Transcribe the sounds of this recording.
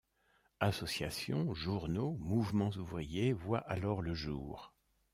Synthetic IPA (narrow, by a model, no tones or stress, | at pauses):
asɔsjasjɔ̰̃ʒuʁnomuvmɑ̃zuvʁijevwaʔalɔʁləʒṵːʁ